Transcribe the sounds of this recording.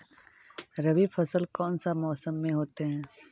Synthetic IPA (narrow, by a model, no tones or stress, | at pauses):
ɾɐbifʰɐsəlkɔːnsamɔːsəmːẽɦoːt̪eɦɛ̃ː